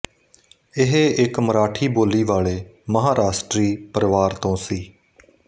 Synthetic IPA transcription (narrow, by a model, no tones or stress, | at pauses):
ɪɦeɪkməɾaːʈʰiːboːliːʋaːɭeːməɦaːɾaːʃʈɾiːpəɾʋaːɾt̪õːsiː